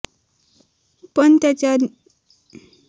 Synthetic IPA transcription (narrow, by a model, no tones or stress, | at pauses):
pənt̪jat͡ɕja